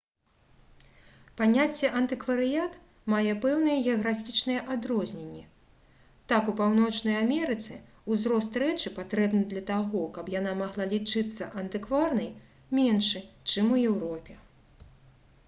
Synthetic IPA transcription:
panʲat͡sʲːɛʔɐnt̪ɨkvɐɾɨjat̪ | majɛpɛwnɨjɛɣʲɛɐɣɾafʲit͡ʂnɨjɛʔad̪ɾɔzʲnʲenʲːɛ | t̪akupawn̪ɔt͡ʂnɐjamʲɛɾɨt̪sɨ | uzɾɔst̪ɾɛt͡ʂɨpat̪ɾɛbnɨd̪lʲɐt̪aɣɔkɐpjanamaɣlˠalʲit͡ʂɨt̪sːɐʔɐnt̪ɨkvarnɐj | mʲɛnʂɨt͡ʂɨmujɛwɾɔpʲɛ

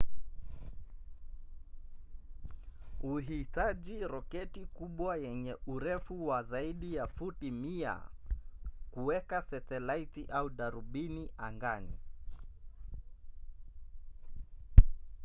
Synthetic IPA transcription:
huɦitaʄiɾɔkɛtikuɓwajɛɲɛʔuɾɛfuwazaiɗijafutimia̰ | kuwɛkasɛtɛlaitiʔauɗaɾuɓiniaŋɡanḭ

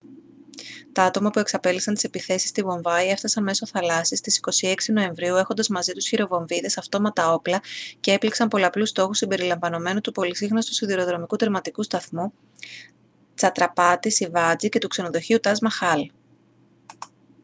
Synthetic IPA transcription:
t̪ɐɐt̪o̞mɐpue̞ksɐpe̞lisɐnt̪i̥se̞piθe̞si̥st̪ivo̞ɱvɐie̞ft̪ɐsɐnme̞so̞θɐlɐsist̪isi̥ko̞sie̞ksino̞e̞ɱvɾiue̞xond̪ɐzmɐzit̪u̥sçiɾo̞vo̞ɱviðe̞sɐft̪o̞mɐt̪ɐo̞plɐce̞e̞pliksɐmpo̞lɐplust̪o̞xusimbe̞ɾilɐɱvɐno̞me̞nut̪upo̞lisixnɐst̪usiðiɾo̞ðɾo̞mikut̪eɾmɐt̪ikust̪ɐθmu | t͡sɐt̪ɾɐpɐt̪isivɐd͡zice̞t̪ukse̞no̞ðo̞çiut̪ɐzmɐxɐl

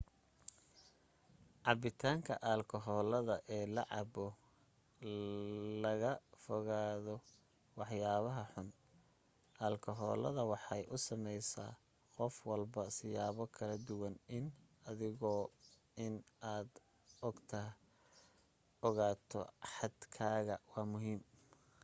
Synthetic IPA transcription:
ʕɑbɪt̪ʰaːŋkʰɐʔɐlkʰɔɦɔːlɐðɐʔɛːlɐʕɑ̰bɔ | lɐɣɐfɔɣaːðɔ | wɑħjaːβɐɦɐħʊn | ʔɐlkʰɔɦɔ̰ːlɐ̰ðɐwɑħɑjʔʊsɐmɛjsa̰ː | qɔfwɑlbɐsɪjaːβɔkʰɐlɐd̪ʊwɑnɪnɐðɪɣɔː | ɪnʔaːd̪ | ɔɡt̪ʰɐ | ɔɣaːt̪ʰɔ̰ħɑd̪̥kʰaːɣɐwɑːmʊɦiːm

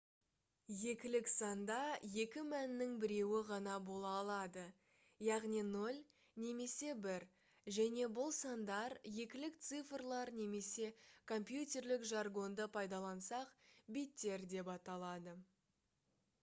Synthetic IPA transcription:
je̞kʲɪlɪksɑnd̪ɑje̞kʲɪmænːɪŋbɪɾe̞wɪʁɑnɑbo̞lˠɑːlˠɑd̪ə | jɑʁnijno̞lʲ | ne̞me̞se̞bɪɾ | ʒæne̞bʊlˠsɑnd̪ɑɾje̞kʲɪlɪk̚t̪sɨfrlˠɑɾne̞me̞se̞kʰo̞mpjut̪ʲe̞ɾlɪkʒɑrɡo̞nd̪əpʰɑjd̪ɑlˠɑnsɑqbijt̪ːe̞ɾd̪e̞pɑt̪ɑlˠɑd̪ə

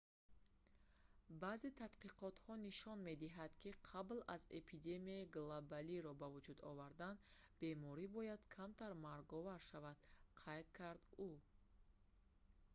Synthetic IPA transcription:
baːzet̪ʰat̪qiqʰɔt̪hɔniʃɔnme̞d̪iɦad̪kʰiqʰabla̰zḛpʰid̪e̞miaiɡlobaliɾɔbavud͡ʒud̪ɔ̰vaɾd̪an | b̥e̞mɔɾibɔjad̪kʰamt̪ʰaɾmaɾɡɔvaɾʃavad̪̥qʰajd̪̚kʰaɾd̪u

